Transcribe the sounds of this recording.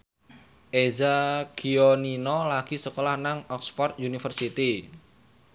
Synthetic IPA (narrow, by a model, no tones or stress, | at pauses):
ʔezaɡ̥ioninɔlaɡ̥i̤səkolahnaŋɔksfɔrt̪̚junifərsit̪i